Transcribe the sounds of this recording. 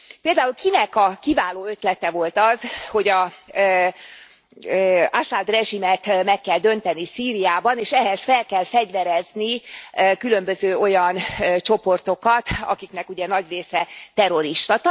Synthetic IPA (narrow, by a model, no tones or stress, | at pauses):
peːld̪aːulkinɛkɒkivaːloːøt̪lɛt̪ɛvo̞lt̪ɒzho̞ɟɒ | asad̪rɛʒimɛt̪mɛkːɛld̪ø̞nt̪ɛnisiːɾijaːbɒneːʃɛɦɛsfɛlkɛlfɛɟvɛɾɛznikylømbøzøːo̞jɒnt͡ʃo̞po̞rt̪o̞kɒt̪ɒ̰kiknɛkuɟɛnɒɟreːsɛt̪ɛɾo̞ɾiʃt̪ɒt̪